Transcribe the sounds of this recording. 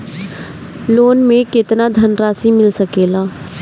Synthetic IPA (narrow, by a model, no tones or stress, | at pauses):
loːnmẽkɪt̪nad̪ʱɐnɾaːsimɪlsɐkeːlaː